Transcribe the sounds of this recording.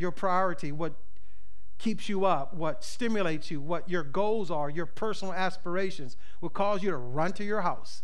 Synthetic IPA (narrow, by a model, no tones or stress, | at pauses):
jə˞pʰɹ̥aɪɔɹɨɾiwʌt̚ | kʰipsjɨʌp̚wʌtstɪ̃mjɨleɪtsjɨwʌt͡ʃə˞ɡoʊlˠzə˞jə˞pʰɜ˞sn̩l̩ˠæspə˞eɪʃɨ̃nz̥ | wəd̚kʰɔzjɨɾəɹʌ̃ntʰɨjə˞ɦaʊs